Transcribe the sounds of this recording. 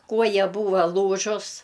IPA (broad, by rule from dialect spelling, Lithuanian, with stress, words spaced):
ˈkuɔjɛ ˈbuːʋɐ ˈlˠuːʒʊs